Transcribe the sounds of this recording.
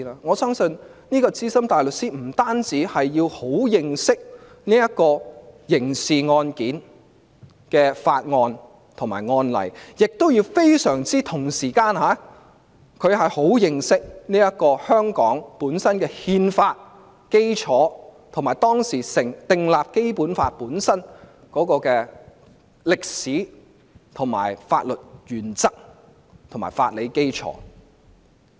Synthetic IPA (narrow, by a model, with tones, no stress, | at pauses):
aː˧ŋɔː˨˧sœː˥ŋsɵ˧nniː˥kɔː˧t͡siː˥sɐ˥mt̪aː˨jlɵ˨k̚siː˥m̩˨˩t̪aː˥nt͡siː˨˥hɐ˨jːiː˧who˨˥wjɪ˨ŋsɪ˥k̚ | niː˥jɐ˥t̚kɔː˧jɪ˨˩ŋsiː˨ŋɔː˧nkiː˨˥n | kɛː˧fa̰ː˧t̚ŋɔː˧n | t̪ʰʊ˨˩ŋma̰ː˨˩jŋɔː˧nlɐ̰˨˩jjɪ˨k̚t̪o˥wjiː˧wfe˥jsœː˨˩ŋt͡siː˥t̪ʰʊ˨˩ŋsiː˨˩kaː˧nɦaː˨˦˥ | kʰɵ˨˧ɥhɐ˨jho˨˥wjɪ˨ŋsɪ˥k̚niː˥jɐ˥kɔː˧hœː˥ŋkɔː˨˥ŋpuː˨˥nsɐ˥nkɛː˧hiː˧nfaː˧t̚ | ke˥jt͡sʰɔː˨˥t̪ʰʊ˨˩ŋmaː˨˩jt̪ɔː˥ŋsiː˨˩sɪ˨˩ŋt̪ɪ˨ŋlaː˨p̚ke˥jpuː˨˥nfa̰ː˧t̚puː˨˥nsɐ˥n | kɔː˨˥kɔː˧kɛː˧ | lɪ˨k̚siː˨˥ | t̪ʰʊ˨˩ŋma̰ː˨˩jfa̰ː˧t̚lɵ˨t̚jyː˨˩nt͡sɐ˥k̚ | t̪ʰʊ˨˩ŋma̰ː˨˩fa̰ː˧t̚le˨˧jke˥jt͡ʃʰɔ̰ː˨˥